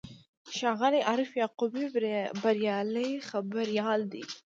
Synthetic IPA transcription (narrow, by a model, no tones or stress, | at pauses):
ʃɑɣaliʔɑɾɪfjɑqubibaɾjɑləjxabaɾjɑld̪ḭ